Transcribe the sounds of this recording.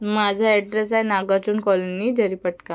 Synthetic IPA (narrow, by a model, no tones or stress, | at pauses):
mad͡ʑʱaɛʈɾes̬ajnaɡat͡ɕuːnkɔlonid̪ʱəɾipəʈka